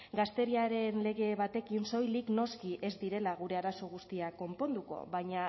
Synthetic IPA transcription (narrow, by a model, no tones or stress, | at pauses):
ɡast̪e̞ɾiaɾe̞nle̞ɣe̞βat̪e̞kinso̞jlikno̞skiʔe̞zd̪iɾe̞laɣ̞uɾe̞aɾaso̞ɣ̞ust̪iako̞mpo̞nd̪uko̞̰βajɲa